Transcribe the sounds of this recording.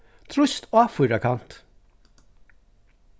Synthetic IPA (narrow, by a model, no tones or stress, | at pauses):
t̪ʰɾʉst̪oːɑfʉɾɑkʰɑnt̪